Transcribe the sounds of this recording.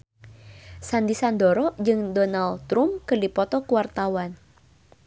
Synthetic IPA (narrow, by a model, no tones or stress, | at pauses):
sand̪isand̪ɔɾɔd͡ʒɨŋd̪ɔnalt̪ɾumkərlipɔt̪ɔkuwart̪awan